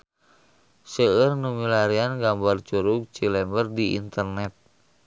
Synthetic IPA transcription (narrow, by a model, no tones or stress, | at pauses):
səərnumilaɾianɡambart͡ʃuɾuk̚t͡ʃilɛmbərdiḭnt̪ərnɛt̪̚